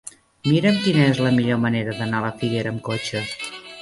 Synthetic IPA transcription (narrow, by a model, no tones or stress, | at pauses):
miɾəmkinəezləmiʎoməneɾəðənaləfiɣeɾəːmkot͡ʃəs